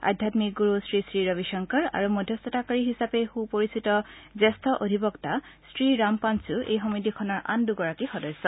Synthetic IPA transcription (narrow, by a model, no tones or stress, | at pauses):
a̰dʱjatmik̚ɡuɹustɹisɹiɹɔbiʃɔŋkɔɹa̰ɹumɔdʱjɔsɔtakaɹiɦisapɛxupoɹisitɔzɛstʰɔʔodʱibɔktasɹiɹampansuʔejɦɔmidikʰɔnɔɹʔa̰nduɡɔɹakixɔdɔjsɔ